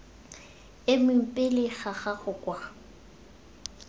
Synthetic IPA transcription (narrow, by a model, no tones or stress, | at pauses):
ɪmʊm̩pʼɪlɪχaχaɣʊkʼwa